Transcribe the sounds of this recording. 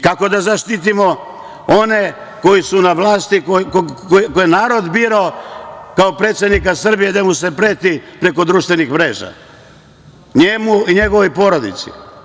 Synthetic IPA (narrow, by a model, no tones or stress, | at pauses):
kako̞d̪azaʃt̪it̪̬imo̞ | o̞ne̞ | ko̞jisunaʋlˠaːst̪ikokookojenaːɾo̞d̪biɾokaopɾe̞t̪sʲjed̪nikasr̩bije̞d̪amuse̞pɾe̞ːt̪ipɾe̞ko̞d̪ɾuːʃt̪ʋenixʋɾe̞ːʒa̰ | ɲemuiɲe̞ɡo̞ʋojpo̞ɾo̞d̪ḭt̪sḭ